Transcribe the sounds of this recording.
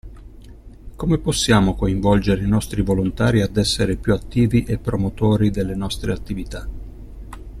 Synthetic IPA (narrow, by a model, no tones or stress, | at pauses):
komeposːjaːmokoiɱvɔld͡ʒeɾeinɔst̪ɾivolont̪aːɾiad̪ɛsːeɾepjuat̪ːiːviʔepːɾomot̪oːɾid̪elːenɔst̪ɾeat̪ːivit̪a